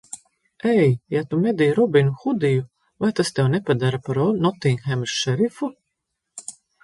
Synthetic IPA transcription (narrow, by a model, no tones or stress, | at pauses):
ɛjjat̪umɛd̪iːɾubinuxud̪iju | vajt̪ast̪ɛwnɛpad̪aɾapaɾɔnɔt̪iːnxɛmɾʃɛɾifu